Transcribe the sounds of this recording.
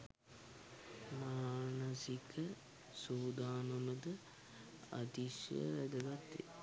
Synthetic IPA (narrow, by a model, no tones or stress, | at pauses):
maːnəsikə | suːd̪aːnomɐd̪ə | ɐ̰t̪iʃjə̰ʋɛd̪əɡat̪ːḛ